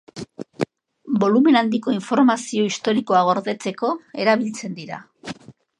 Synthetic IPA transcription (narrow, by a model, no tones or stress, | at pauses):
bo̞lume̞nand̪iko̞iɱfo̞ɾmasio̞ist̪o̞ɾiko̞aɣ̞o̞ɾðe̞t͡se̞ko̞e̞ɾaβ̞ilt͡se̞nd̪iɾa̰